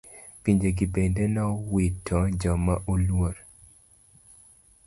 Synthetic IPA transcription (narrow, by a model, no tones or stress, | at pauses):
piɲd͡ʒeɡibendenɔwitʰːɔd͡ʒɔmaʔulwoɾ